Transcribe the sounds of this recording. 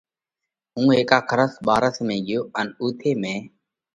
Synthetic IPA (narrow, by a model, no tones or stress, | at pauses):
ɦũːɦeːkaːkʰəɾəsɓaːɾəsmẽːɡɪjoːənuːt̪ʰeːmẽː